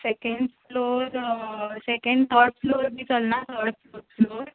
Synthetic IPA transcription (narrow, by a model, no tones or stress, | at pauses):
sekeɳɖfloɾsekeɳɖt̪ʰəɾfloɾbiːt͡səlnat̪ʰəɾɽɖfloɾfloɾ